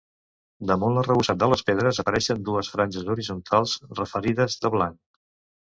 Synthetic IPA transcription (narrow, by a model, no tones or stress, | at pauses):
d̪əmunlərəβusat̪̚d̪ələspeðɾəzəpəɾɛʃənd̪uəsfɾanʲʒəzuɾizunt̪ʰalˠzrəfəɾiðəzðəβlaŋk